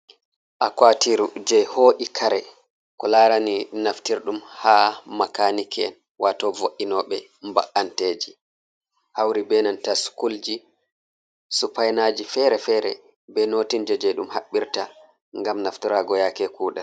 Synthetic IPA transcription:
ʔakwatiɾud͡ʒɛhoːɗikʰaɾɛ | kɔlaɾaninaftiɾɗumhaːmakanikʰɛ̰n | wʔatɔvoʔːinɔɓɛ | mba̰ʔːanteːd͡ʒi | hawɾibɛnantasu̥kuld͡ʒi | supajnad͡ʒifɛɾɛfɛɾɛ | bɛnoːtind͡ʒɛd͡ʒɛɗumhaɓːiɾta | ŋɡamnaftiɾaɡɔjakɛkuːɗa

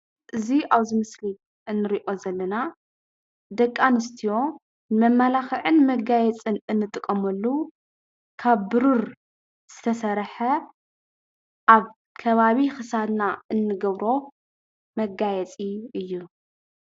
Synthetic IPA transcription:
ʔɨziaβzɨmɨsli | ʔɨnːɨɾiʔo̞zɐlːɐna | d̪ɐkʼːanɨst̪ʰijo̞ | mɐmːalaxɨʕɨnmɐɡajɛt͡sʼɨnɨnːɨt̪ʼɨkʼːɐmɐlːu | kʰaβːɨɾuɾ | z̥ɨt̪ʰɐsɐɾħɐ | ʔaβ | kʰɐβaβixɨsad̪naɨnːɨɡɐβɾo̞ | mɐɡajɛt͡sʼiɨjːu

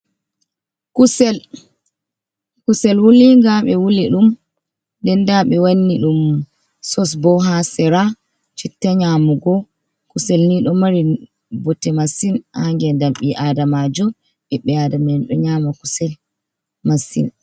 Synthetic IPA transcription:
kusɛl | kusɛlwuliŋɡaɓɛwuliɗum | dɛndaɓɛwanːiɗum | sɔs̬bɔɦasɛɾa | t͡ʃitːaɲaːmuɡɔ | kusɛlniɗɔmaɾi | bɔtːɛmasinhaŋɡɛndamɓiʔadamad͡ʒɔ | ɓɛɓːɛadamɛnɗɔɲaːmaku̥sɛl | masḭn

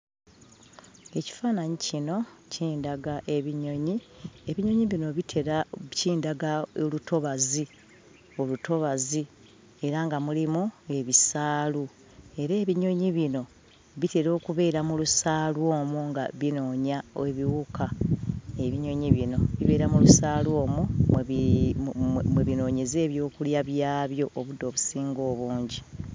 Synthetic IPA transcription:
e̞ci̥faːnaɲicino̞ciːndaɡaʔe̞βiɲo̞ɲie̞βiɲo̞ɲiβino̞βitʰeɾciːndaɡaolutʰo̞βazi | o̞luto̞βazi | e̞ɾaŋɡamulimue̞βisaːlu | e̞ɾe̞ːβiɲo̞ɲiβino̞ | βite̞ɾo̞ːkuβe̞ːɾamulusaːlwo̞ːmuŋɡa̰βino̞ːɲaeβiwuka | e̞βiɲo̞ɲiβino̞̰βiβe̞ːɾamulusaːlwo̞ːmumeβi | mweβino̞ːɲeze̞ːβjo̞ːkuljaβjaːβjo̞ʔːβudːo̞ːβusiːŋɡo̞ːβuːɲɟi

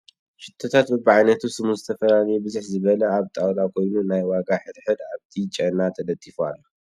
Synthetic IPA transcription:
ʃɪt̪ʰːot̪ʰat̪bɐbaʕajnɐt̪ʰusɨmuzɨt̪ʰɐfɐlanjɛbɨzuħzɨβɐlɐaβt̪ʼawlakʰo̞jnunajwaɡaħɨɾħɨd̪aβt̪ʰit͡ʃʼɐnat̪ʰɐlɐt̪ʼːifua̰lːo

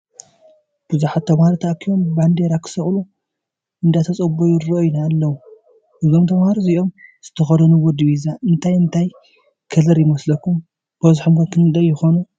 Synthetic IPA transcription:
b̥ɨzuħat̪̚ʰːɐmhaɾit̪ʰɐʔkʰijomband̪eɾakʰɨ̥sɐχʼlu | ʔɨnd̪ajt̪ʰɐt͡sʼɐbojuɾɾoojnaːlːɐwu | ʔɨzomt̪ʰɐβhaɾiziʔo̞mz̥ɨt̪ʰɐxɐd̪ɐnuwɔd̪iβizaʔɨnt̪ʰajɨnt̪ʰaj | kʰɐlɐɾjɪmɐslɐkːum | b̥ɐzuħomɡɐkʰɨnɨd̪ɐjːɪxonu

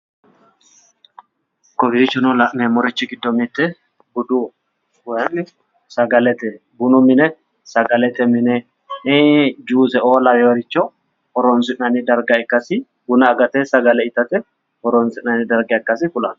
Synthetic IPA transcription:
kɔbiːt͡ʃːɔnɔlɐʔnemɔɾɪt͡ʃːɪɡɪd̪ːɔmit̪ːɛ | bʊd̪u | wɔjɐnːɪ | sɐɡɐlɛt̪ɛ | bʊnʊmɪnɛ | sɐɡɐlɛt̪ɛmɪnɛ | d͡ʒuːsɛʔoːlɐwɛwɔɾɪt͡ʃːɔ | hɔɾɔnsɪnɐnɪd̪ɐɾɡɐɛkːɐsɪ | ɡʊnɐːɡɐt̪ɛsɐɡɐlɛɪt̪ːɐt̪ɛ | hɔɾɔnsɪnɐnid̪ɐɾɡɛɐkːɐsɪfʊlɐn

